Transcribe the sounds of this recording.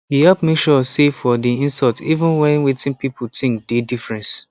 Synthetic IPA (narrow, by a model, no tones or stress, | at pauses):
jihɛpmekʃɔsefɔdiĩnsɔltivə̃nwɛ̃nwetɪ̃npipʰʊtɪ̃ŋk̚dedifɹɛ̃ns